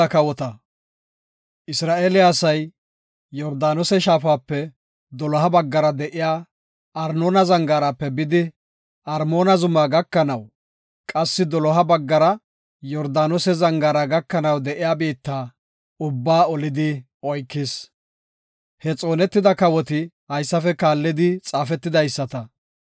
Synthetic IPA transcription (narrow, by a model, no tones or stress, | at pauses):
ɐkɐwɔt̪ɐ | ʔɪsɾaːʔeːlɪjasɐjː | ɔɾd̪aːnɔsɛʃaːfaːpːɛ | d̪ɔlɔɦɐbɐɡːɐɾɐd̪ɛʔɪjaː | ɐɾnoːnɐzɐŋɡaːɾapːɛbɪd̪ɪ | ʔɐɾmo̞ːnɐzʊmaːɡɐkːɐnɐw | kʼɐsːɪd̪ɔlɔɦɐbɐɡːɐɾɐ | jɔɾd̪aːnɔsɛzɐŋɡaːɾaɡɐkːɐnɐwd̪ɛʔɪjaːbiːt̪ːaː | ʊbːaːɔlɪd̪ɪ | ɔjkːɪs | hɛt͡sʼo̞ːnɛt̪ːɪd̪ɐkɐwɔt̪ɪ | hɐjsːɐfɛkaːlːɪd̪ɪt͡sʼaːfɛt̪ːɪd̪ɐjsːɐt̪ɐ